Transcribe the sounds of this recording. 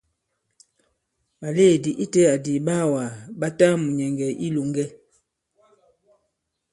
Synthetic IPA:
ɓa˨le˦˨di˨ʔi˦tɛ˦a˨di˨ba˦˨wa˨ɓa˦ta˦mu˨ɲɛ˨ŋɡɛ˨ʔi˦lo˨ŋɡɛ˦

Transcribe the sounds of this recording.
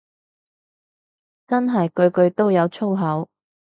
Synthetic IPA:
t͡sɐ˥nɦɐ˨jkɵ˨˧ɥkɵ˧ɥt̪o˥wjɐ˨˧wt͡sʰo˥wɦɐ˨˥w

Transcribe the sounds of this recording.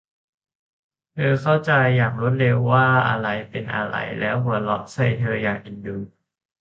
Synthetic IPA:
t̪ʰɤː˧kʰa˥˩wt͡ɕa˧jːaː˨˩ŋɾu˥˩˨t̪̚ɾe˧wːaː˥˩ʔa̰˧ɾa˧jpe˧nʔa̰˧ɾa̰˧˩jlɛː˦˥wɦu˨˩˦ɐlɔ˦˥ʔ̚sa˥˩jt̪ʰɤː˧jaː˨˩ʔi˨˧˩ndu˧n

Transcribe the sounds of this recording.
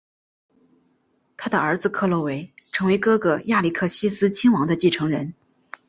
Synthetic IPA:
t̪ʰa˥d̪ə˨ə˞˧˥d͡zɹ̩˧kʰɤ˥˧lɔ˥˩we˧˥ɪʈ͡ʂʰɤ˧˥ŋwe˧˥ɪkɤ˥ɡə˧ja˥˩li˥˩kʰɤ˥˩ɕi˥sɹ̩˥t͡ɕʰi˥ŋwɑ˧˥ŋd̪ə˧t͡ɕi˥˩ʈ͡ʂʰɤ˧˥ŋɻə̰˧˥n

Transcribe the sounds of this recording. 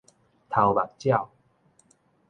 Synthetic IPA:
t̪ʰa˨˩wba˨˩k̚t͡ɕja˥˨w

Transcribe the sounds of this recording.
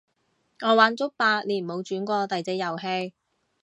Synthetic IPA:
ŋɔː˨˧˥waː˨˥nt͡sʊ˥k̚paː˧k̚liː˨˩˨ho˨˧wt͡ʃyː˨˥nkʷɔː˧t̪ɐ˨jt͡se˨˥jɐ˨˩wɦe˧j

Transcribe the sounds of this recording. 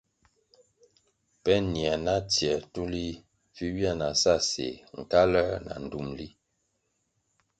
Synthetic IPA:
pɛ˦njɛ˨na˦tjɛ˨tu˦li˦ | fi˦wja˦˨na˨sa˦˨sḛ˨ŋ̩˨ka˦lɛ˦na̰˨n̩˨du˦mli˦

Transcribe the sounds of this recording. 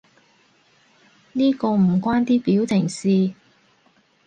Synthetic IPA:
niː˥kɔː˧m̩˨˩kwaː˥nt̪iː˥piː˨˥wt͡sɪ˨˩ŋsiː˨˧

